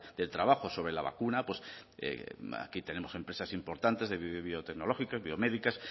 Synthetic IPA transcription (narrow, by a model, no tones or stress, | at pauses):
d̪̥e̞lt̪ɾaβaxoso̞β̞ɾe̞laβa̰kunapwesḛa̰kit̪e̞ne̞mo̞se̞mpɾe̞sasimpo̞ɾt̪ant̪e̞zðeββiot̪e̞ɡno̞lo̞xikazβio̞me̞ðikas